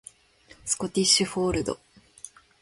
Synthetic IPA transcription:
sɨ̥ko̞t̪ʲiɕɨɸoːɾɯ̟d̪o̞̰

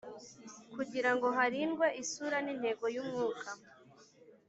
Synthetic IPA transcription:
kuɟiɾaŋɡo̞ɦaɾinɡwe̞ʔisuɾanin̥he̞ɡo̞jumŋuːkʰa

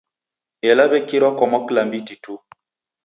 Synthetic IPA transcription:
ɛlabɛkiɾɔkɔmɔklambititu

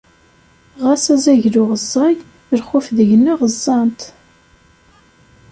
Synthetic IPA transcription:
ʁasæzæʝlʊʁəzˤːɑj | əɾχʊfðəʝnːaʁəzˤːɑnt̪

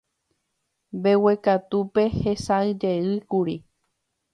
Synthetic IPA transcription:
mbe̞wekat̪upe̞he̞sãɨd͡ʒe̞ɨkuɾi

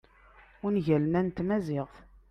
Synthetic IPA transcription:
ʊnʝælənænt̪mæzɪʁθ

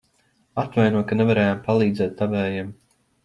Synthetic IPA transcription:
at̪vajnuɔkanɛvaɾɛːjampalˠiːd̪zɛːt̪ːavɛːjɛm

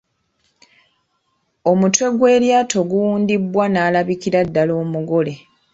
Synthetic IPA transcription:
o̞mutwe̞ɡwe̞ːɾjaːto̞ɡuwuːndibːwanaːlaβikiɾadːalo̞ːmuɡo̞le̞

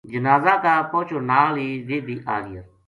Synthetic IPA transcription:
d͡ʒənaːzãːkaːpõːt͡ʃʰoːnaːliːʋeːd̪iːʔa̰ːɾɪ̰jəɾ

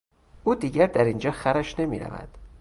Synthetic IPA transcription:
ʔuːd̪iːɟæɾd̪æɾind͡ʒɒːxæɾæʃne̞mḭːɾæ̰væ̰d̪̥

